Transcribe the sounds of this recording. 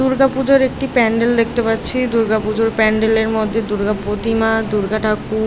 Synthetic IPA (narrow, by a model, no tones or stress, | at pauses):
uɾɡapud͡ʑoɾek̚ʈipɛɳɖeld̪ek̚ʰt̪epatːɕʰid̪uɾɡapud͡ʑoɾpɛɳɖeleɾmod̪ʱːed̪uɾɡapɾot̪imad̪uɾɡaʈaku